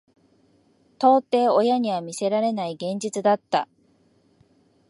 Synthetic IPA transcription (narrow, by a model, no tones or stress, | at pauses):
t̪o̞ːt̪e̞ːo̞jaɲ̟iβamʲise̞ɾaɾe̞naiɡẽ̞ɲ̟d͡ʑit͡sɨd̪at̪ːa̰